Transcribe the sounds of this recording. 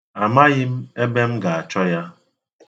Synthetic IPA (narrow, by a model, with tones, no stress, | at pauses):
a˨ma˦ɣɪ˦m̩˦e˦be˦m̩˦ɡa˨a˨t͡ʃɔ˦ja˦